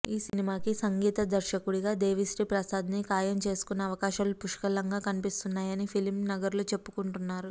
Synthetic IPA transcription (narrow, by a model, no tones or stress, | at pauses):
iːsinimaːkisɐŋɡiːt̪ɐd̪ɐɾʃɐkuɽiɡaːd̪eːʋisʈipɾɐsaːd̪ʱɐnikaːjɐmt͡ʃe̞ːsu̥kunːɐɐʋɐkaːʃaːlupuʂkɐlːɐŋɡaːkɐnipist̪unːaːjɐnipʰilimnɐɡɐɾloːt͡ʃe̞pːu̥kuɳʈunːaːɾu